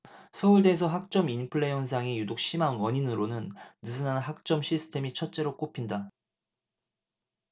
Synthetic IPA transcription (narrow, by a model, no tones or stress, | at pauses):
sʰʌuɭde̞ːsʰʌɦak̚t͡ɕ͈ʌminpʰɯɭːe̞jʌnsʰaŋijudok̚ɕ͈ʰimanwʌɲinɯɾonɯnːɯsʰɯnanɦak̚t͡ɕ͈ʌmɕʰisʰɯ̥tʰe̞mit͡ɕʰʌt̚t͡ɕ͈e̞ɾok͈opʰinda